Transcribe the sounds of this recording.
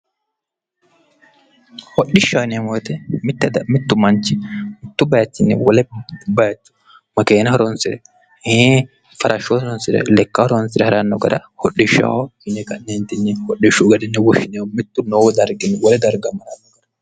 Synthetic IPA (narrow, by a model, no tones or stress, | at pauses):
hɔɗɪʃːanmoːt̪ɛmɪt̪ːɛd̪ɐmɪt̪ːʊmɐnt͡ʃːɪmɪt̪ːʊbɐjɐt͡ʃ̪ːɪnːɛwɔlɛbɐjɐt͡ʃːʊ̥ | mɐke̞ːnɐhɔɾɔnsɪɾɛ | heː | fɐɾʔɐʃːosɔɾɔnsɪɾɛ̰lɛkːɐhɔɾɔnsɪɾɛhɐɾanːɔɡɐd̪ɐhɔɗːɪʃːa̰ːwɔɪnɛkɐnːeːnt̪ːɪnːɛhɔɗːɪʃʊɡɐd̪ɪnːɛwɔʃɪnewɔmɪt̪ːʊnowd̪ɐɾɡɪnːɛwɔlɛd̪ɐɾɡɐmɐɾanːɔɡɐd̪ɐ̥